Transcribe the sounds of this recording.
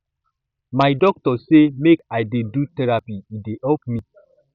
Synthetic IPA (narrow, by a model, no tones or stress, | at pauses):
majdɔk̚tɔsemekajdedutɛɹapiːdeʔɛp̚mi